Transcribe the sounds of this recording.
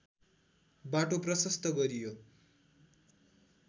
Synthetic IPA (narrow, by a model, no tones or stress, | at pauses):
baʈoprʌsʌst̪ʌɡʌɾijo